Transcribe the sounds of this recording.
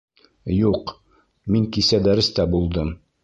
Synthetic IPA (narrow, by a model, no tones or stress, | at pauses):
juq | miŋkisæd̪æɾɘ̆st̪æbulˠd̪ɤm